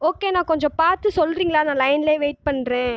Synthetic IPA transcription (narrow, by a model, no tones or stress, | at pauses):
oːkeːnãːkɔɲd͡ʒɔ̃paːɾt̪ɯsɔlːɾiːŋɡɐɭaːnãːlɐɪnleːʋeːʈ̚pɐɳːɾẽː